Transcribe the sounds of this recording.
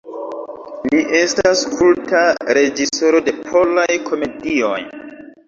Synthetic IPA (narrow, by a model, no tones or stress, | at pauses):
liʔe̞staskʰultaɾe̞d͡ʒiso̞ɾo̞de̞pʰo̞lajkʰo̞me̞dio̞̰j